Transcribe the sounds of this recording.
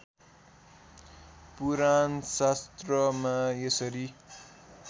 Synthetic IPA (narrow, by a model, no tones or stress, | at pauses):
puɾansast̪rʌmajesʌɾi